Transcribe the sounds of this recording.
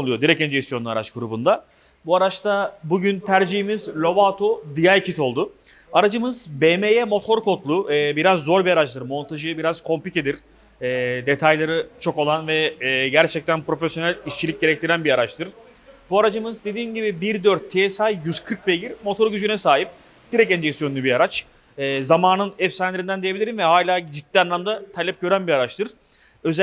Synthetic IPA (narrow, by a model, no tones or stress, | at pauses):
olˠujo̞d̪iɾɛcɛnd͡ʒesjo̞nːˠua̰ɾat͡ʃɡuɾubund̪a | buaɾat͡ʃt̪ʰabuɟynt̪ʰæɾd͡ʒiɦimizlʲo̞vat̪ʰod̪ijaɾcʰit̪o̞lˠd̪ʊ | aɾad͡ʒɯmɯzbemejɛmo̞t̪ʰo̞ɾko̞t̪lˠuɛbiɾazːo̞ɾbiaɾat͡ʃlˠɯɾmo̞nt̪ʰaʒɯbiɾaz̥kʰo̞mpice̞d̪iɾ̥ | ɛːd̪e̞t̪ʰajlˠaɾɯt͡ʃʰo̞ko̞lˠanvɛːɟæɾt͡ʃʰɛc̚t̪ʰænpɾo̞fesjo̞nælʲiʃt͡ʃʰiic̚ɟe̞ɾɛc̚t̪ʰiɾænbiaɾat͡ʃt̪ʰɯɾ̥ | b̥uaɾad͡ʒɯmɯzd̪e̞d̪iːmɟibibiɾd̪øɾt̪ʰːeɛsajjyz̥kʰɯɾk̚belʲiɾmo̞t̪ʰo̞ɾɟyd͡ʒynɛsaːɦip̚ | d̪̥iɾɛcɛnd͡ʒɛksijonlʲybiaɾat͡ʃ | ɛːzamaːnɯnɛfsænlʲeɾind̪ænd̪ejebilʲiɾinvɛɦaːlʲaːd͡ʒit̪ːianːamd̪at̪ʰalʲɛp̚ɟø̞ɾænbiaɾat͡ʃt̪ʰɯɾ̥ | ø̞z